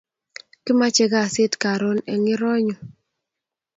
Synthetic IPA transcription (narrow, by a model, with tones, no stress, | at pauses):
kɪ˦ma˦t͡ʃɛ˦ɡa˦˨sɪ˦tka˨ɾo˦nɛ˨ŋɪ˦ɾɔ˦ɲɔ˨